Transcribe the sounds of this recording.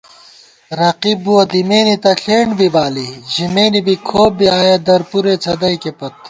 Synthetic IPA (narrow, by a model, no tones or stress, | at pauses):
ɾɐqibuɐd̪imeːnit̪ɐɬʰeːɳɖbʱibaːliʑimeːnibikʰoːbiaːjed̪ɐɾpuɾet͡sʰɐd̪ɐikepɐt̪̚